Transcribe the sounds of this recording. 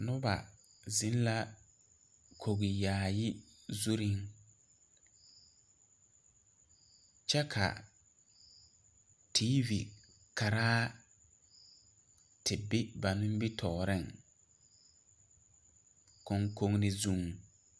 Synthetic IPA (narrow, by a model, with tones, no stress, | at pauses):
nʊ˦ba̰˨ | zɪ˦n˦la˦ | kʰo˨ɣi˨jaː˨jɪ˦ | zu˦ɾi˦ŋ | t͡ʃɛ˦kʰa̰˨ | tʰiː˦vḭ˨ | ka˨ɾaː˦ | tɪ˨bɪ˦ba˨nʊ̃˦m˦bɪ˦tʰɔː˨ɾɪ˦˨ŋ | ko˨ŋko˨ŋnɪ˨zu˨ŋ